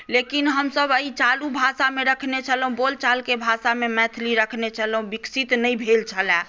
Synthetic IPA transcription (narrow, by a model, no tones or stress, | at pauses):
lekinɦəmsəbəit͡ʃalubʱasameɾəkʰnet͡ʃʰələɦũbolt͡ʃalkebʱasamemɛ̃t̪ʰliɾəkʰnet͡ʃʰəlɦũbiksit̪nəibʱelt͡ʃʰəlɛ̃